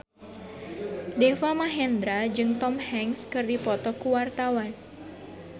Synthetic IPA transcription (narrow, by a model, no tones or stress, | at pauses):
defamaɦɛnd̪ɾad͡ʒɨŋt̪ɔmhɛŋskɨrdipɔt̪ɔkuwart̪awan